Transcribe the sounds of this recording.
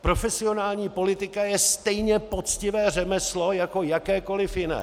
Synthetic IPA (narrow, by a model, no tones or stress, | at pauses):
pɾo̞fɛsɪo̞naːlɲiːpo̞lɪt̪ɪkajɛst̪ɛjɲɛpo̞t͡scɪvɛːr̝ɛmɛslo̞jako̞jakɛːko̞lɪfjɪnɛ̰ː